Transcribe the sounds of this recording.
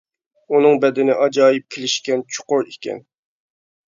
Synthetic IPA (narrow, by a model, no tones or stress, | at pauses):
unɨŋbɛd̪ɪnɪʔɑd͡ʒɑːjip̚kʲʰelɪʃkʲɛnt͡ʃʰʊ̥qʊɾikʲʰɛ̰n